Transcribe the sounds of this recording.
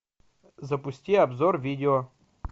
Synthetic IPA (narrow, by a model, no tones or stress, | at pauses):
zɐpʊsʲtʲiɐbzɔrvʲidʲɪɔ